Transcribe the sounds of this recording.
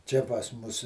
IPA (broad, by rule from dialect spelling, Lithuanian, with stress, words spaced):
ˈt͡ʃʲɛ pɐs ˈmʊs